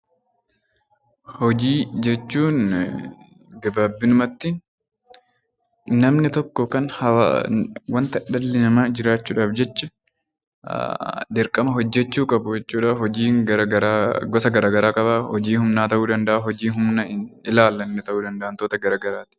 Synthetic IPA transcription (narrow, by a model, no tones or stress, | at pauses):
hɔd͡ʒiːd͡ʒɛt͡ʃːuːn | ɡɐbaːbːɪnʊmɐt̪ːɪn | nɐmnɪt̪ɔkːɔkɐnhɐa̰wɐnt̪ɐᶑɐlːɪnɐmaːd͡ʒɪɾaːt͡ʃːuːᶑaːfd͡ʒɛt͡ʃːɐ | d̪ɪɾkʼɐmɐɦɔd͡ʒːɛt͡ʃːuːkʼɐbʊd͡ʒɛt͡ʃːuːᶑahɔd͡ʒiːŋɐɾɐɾɡɔsɐɡɐɾaːɡɐɾaːkʼɐbahɔd͡ʒiːhʊmnaːt̪ɐʔuːd̪ɐnd̪ɐʔaːɦɔd͡ʒiːɦʊmnɐɪlaːlːɐnːɛt̪ɐʔuːd̪ɐnd̪ɐʔɐnt̪oːt̪ɐɡɐɾaːɡɐɾaːt̪ɪ̥